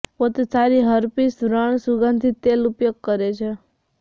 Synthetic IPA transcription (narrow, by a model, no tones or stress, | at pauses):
pot̪esaɾiɦəɾpisɾəɳ̃suɡə̃nd̪ʱit̪elupjoɡ̚kəɾet͡ʃʰe